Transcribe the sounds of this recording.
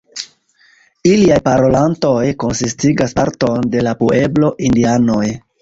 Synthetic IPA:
iliajpaɾo̞lanto̞jko̞nsistiɡaspaɾto̞nde̞lapue̞blo̞ʔindiano̞j

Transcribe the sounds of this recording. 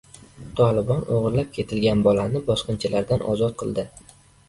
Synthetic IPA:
t̪ʰɒlˠɪbɒnoʁɾlap̚kʲʰe̞t̪ʰɪlɡʲanbɒlanɪbɒsqɨnt͡ʃʰalaɾd̪anʔɒ̰zɒt̪̚qʰɨlˠd̪ɪ

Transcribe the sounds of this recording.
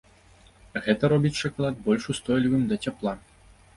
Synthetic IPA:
ɣɛt̪ɐɾɔbʲit͡sʲʂaklˠad̪̚bɔlʲʂust̪ɔjlʲivɨmd̪ɐt͡sʲaplˠa

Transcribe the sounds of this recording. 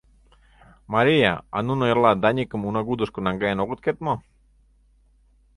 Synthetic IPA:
maɾia̰a̰nunojlad̪aɲikəmunaɣud̪uskonaŋɡaenoɣut̪̚ket̪̚mo

